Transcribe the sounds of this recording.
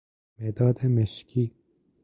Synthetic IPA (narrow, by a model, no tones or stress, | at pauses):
med̪aːd̪emeʃki